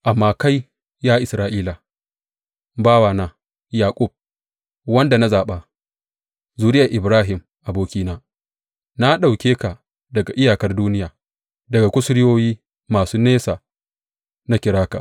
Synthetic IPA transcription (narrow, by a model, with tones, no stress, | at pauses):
ʔa˨mːaː˦ka˦j | jaː˦ʔɪ˨sɾaː˦ʔiː˦la˨ | baː˦waː˨naː˦ | jaː˨kʷʼʊ˦˨b̚ | wɐ˦nda˨na˦zaː˨ɓa˨ | zuː˦ɾɪ˦ja˨ʔɪ˨bɾaː˦ɦɪ˨m | ʔa˨boː˦kʲiː˦naː˦ | na˦ɗa˨wkʲeː˦ka˨ | dɐ˨ɡa˨ʔɪ˦jaː˨kɐ˦rduː˦nɪ˦jaː˨ | dɐ˨ɡa˨kʷʊ˦sʊ˦ɾɪ˦joː˦jiː˦ | maː˨suː˦neː˦saː˨ | na˦kʲɪ˨ɾaː˦ka̰˨ʔ